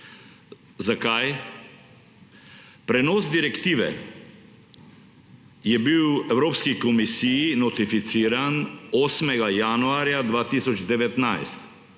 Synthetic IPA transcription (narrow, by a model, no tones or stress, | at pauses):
zakaj | pɾɛnɔsd̪iɾɛkt̪ivɛ̰ | jɛbiwɛvɾɔpskikɔmisiːnɔt̪ifit̪siɾanɔsmɛɡajanuaɾijad̪vat̪isɔt͡ʃid̪ɛvɛt̪naɛst̪